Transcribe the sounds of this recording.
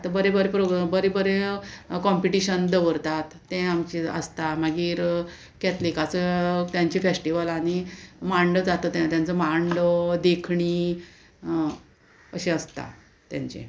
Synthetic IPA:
at̪abəɾebəɾepɾoɡbəɾebəɾekɔmpiʈiɕənd̪əʋəɾt̪at̪ːɛ̃amt͡ɕiə̰st̪amaɡiːɾ | kɛt̪likat͡sət̪jãɲt͡ɕifesʈiʋəlanimaɳɖəd͡zat̪ət̪t̪jãnt͡səmaɳɖəd̪ekʰɳiː | əɕẽəst̪a̰ | t̪ja̰ɲt͡ɕḛ

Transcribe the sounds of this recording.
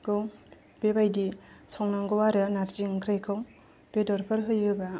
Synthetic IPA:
ɡɯw | b̥ebajdisɔŋnaŋɡɔwaɾanaɾziŋkʰɾajkʰaw | b̥edɔɾpʰɯɾɦɯjɯba

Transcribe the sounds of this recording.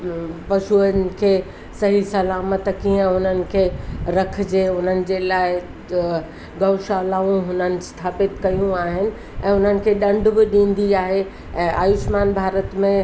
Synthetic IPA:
pɐʃuən̆kʰeː | sɐɦisɐlaːmət̪kiːɦə̃ʊn̤ənɪ̆kʰeːɾɐk̆ʰd͡ʑeːʊn̤ənɪ̆d͡ʑelaːɪ | ɡɐʊʃaːlaːũɦʊnənɪ̆st̪ʰaːpɪt̪kɐjũaːɦɪnɪ̆ | ʔɛ̃ːʊn̤ənɪ̆kʰeɗɐ̃ɳɖʱbɪɗĩːnd̪iaːɦe | ɛ̃ːʔa̰ːjʊʃmaːnbʱaːɾət̪mẽ

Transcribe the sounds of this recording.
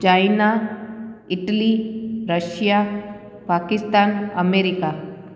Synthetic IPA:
t͡ʃaːɪna | ɪʈəliɾəʃja | paːkɪst̪aːnɐmeːɾɪka

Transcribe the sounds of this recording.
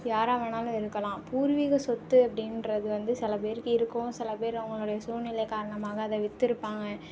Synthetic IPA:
jaːɾɐʋɐnaːlɐ̃ɪɾɯkːɐlãːpuːɾʋiɣɐsɔt̪ːɯɐpːɐɽɪnrɐðɯʋɐnd̪ɯsɪlɐp̬eːɾɯkɯɪɾɯkːʊ̃sɪlɐpeːɾʊŋɡɐɭɯɽɐjɐsuːɾnɪlɐɪkaːɾɐɳɐmaːɣɐːðɐʋɪt̪ːɪɾɯpːaːŋɡɐ

